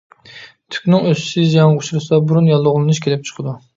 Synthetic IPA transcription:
t̪ʰy̥kʲnɪŋøssɪjɑŋʁuʃuɾɨsɑbuɾunjɑlˠːʊʁlˠɨnuʃkʲʰelɪp̚t͡ʃʰə̥qʰəd̪u

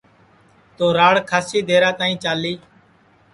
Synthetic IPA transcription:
t̪oːɾaːɽkʰaːsiːd̪ʱeːɾaːt̪aːĩːt͡ʃaːliː

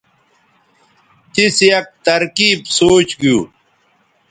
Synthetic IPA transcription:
t̪isjɐk̚t̪ɐɾkiːbsoːt͡ɕɡijuː

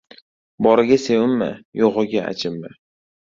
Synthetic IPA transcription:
bɒɾɪɡʲasewʊmːa̰joʁɨɡʲaa̰t͡ʃʰɪmːa

